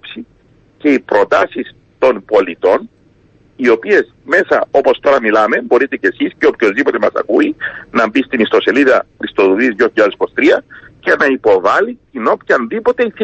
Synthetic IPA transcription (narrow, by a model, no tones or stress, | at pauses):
psi | ce̞ipɾo̞t̪ɐsis | t̪o̞npo̞lit̪o̞n | io̞pie̞s | me̞sɐo̞po̞st̪o̞ɾɐmilɐme̞bo̞ɾit̪e̞ce̞sisceopço̞zðipo̞t̪e̞mɐsɐ̰kuinɐmbist̪inist̪o̞se̞liðɐist̪o̞ðuðizjoçiʎaðespost̪ɾiɐce̞nɐipo̞vɐlit̪ino̞pçɐnðipo̞t̪e̞iθ